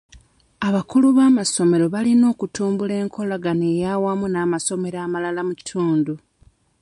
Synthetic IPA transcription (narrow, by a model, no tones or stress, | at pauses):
aβakuluβaːmaso̞me̞ɾo̞βalino̞ːkutuːmbule̞ːŋkʰo̞laɡanejawamunaːmaso̞me̞ɾaːmalalamuci̥tʰuːndu